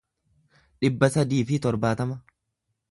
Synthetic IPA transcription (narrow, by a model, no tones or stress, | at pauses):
ᶑɪbːɐsɐd̪iːfɪt̪ɔɾbaːt̪ɐmɐ